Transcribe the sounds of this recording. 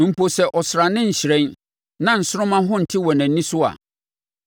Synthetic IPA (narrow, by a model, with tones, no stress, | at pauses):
m̩˨pʰo˨sɛ˨ʔɔ˨sɾa˨nɪ̃˦ɲ̩˨ɕɪ˨ɾɛ̃˦n | nã˨n̩˨sʊ˦ɾʊ̃˦mã˦ɦʊ̃˦n̩˨tʰɪ˦wɔ˨næ̃˨n˦nĩ˦sʊ˦a̰˨